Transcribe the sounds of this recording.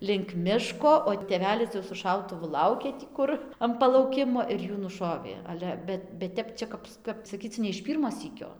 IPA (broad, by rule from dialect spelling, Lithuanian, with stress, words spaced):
lʲɪŋk ˈmʲɪʃkoː oː tʲeːˈʋʲæːlʲɪs jɛʊ sʊ ˈʃɐʊtʊʋʊ ˈlˠɐʊkʲeː tʲiː ˈkʊr ɐm pɐlˠɐʊˈkʲɪmoː ɪr ˈjuː nʊˈʃoːʋʲeː ˈɑːlʲɛ ˈbʲɛt bʲɛt ˈtʲɛp ˈt͡ʃʲɛ kɐp kɐp sɐˈkʲiːt͡s nʲɛ ɪʃ ˈpʲiːrmoː ˈsʲiːkʲoː